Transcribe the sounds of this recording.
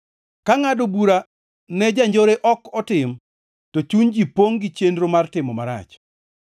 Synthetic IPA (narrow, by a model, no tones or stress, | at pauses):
kaŋadobuɾa | nɛd͡ʒaɲd͡ʒoɾeʔɔkɔtɪm | tot͡ʃund͡ʒipoŋɡɪt͡ʃendɾomartɪmɔmaɾa̰t͡ʃ